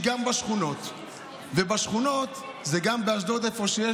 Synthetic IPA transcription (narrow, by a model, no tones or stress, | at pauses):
ɡambaʃχuno̞t̪ | vebaʃχuno̞t̪ | zeɡambeaʃd̪o̞t̪efo̞ʃeje